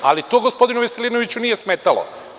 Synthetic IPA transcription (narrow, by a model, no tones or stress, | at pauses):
alit̪oːɡospo̞d̪inuʋeseliːnoʋit͡ɕunije̞smet̪alo̰